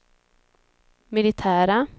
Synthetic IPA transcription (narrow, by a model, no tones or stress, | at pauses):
mɪlɪt̪ʰæːɾa